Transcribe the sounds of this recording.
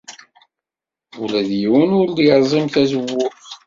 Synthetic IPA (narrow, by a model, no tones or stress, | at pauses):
ulæðjiwənʊɾd̪jəɾˤzˤimθæzəwːʊf